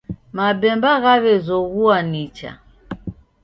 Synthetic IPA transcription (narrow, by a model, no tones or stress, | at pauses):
mabɛmbaɣaβɛzɔɣuanit͡ʃa̰